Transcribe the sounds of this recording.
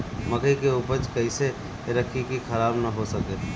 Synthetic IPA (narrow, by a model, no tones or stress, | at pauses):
məɡəikeupət͡ʃkəɪse | ɾəkʰikikʰəɾaːbnɐɦosəke